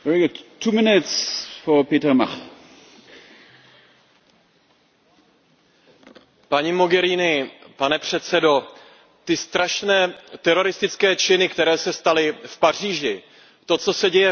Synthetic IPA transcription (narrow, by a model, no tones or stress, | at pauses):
vɛɹiɡʊdtʰːuːmɪnɪtsfɔɐpeːtɛmaχ | paɲimo̞ɡɛɾiːnɪpanɛpr̝̥ɛt̪t͡sɛdo̞ | t̪ɪst̪ɾaʃnɛːt̪ɛɾo̞ɾɪst̪ɪt͡skɛːt͡ʃɪnɪkt̪ɛɾɛːsɛst̪alɪfpar̝iːʒɪ | t̪o̞t͡so̞sɛɟɛjɛ